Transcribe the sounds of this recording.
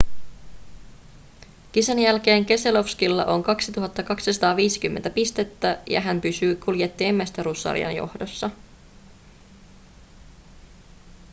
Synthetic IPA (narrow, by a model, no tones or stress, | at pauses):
k̟isænjælk̟e̞ːŋk̟e̞se̞lo̞fskilːɑ̰ʔo̞ŋkɑksit̪uɦɑt̪ːɑkɑksisɑt̪ɑːʋiːsi̥kymːent̪æpist̪e̞t̪ːæjɑ̰ɦæmpysyːkulje̞t̪ːiːmːæst̪æɾusːɑ̰ɾḭɑ̰njo̞̰hdo̞sːɑ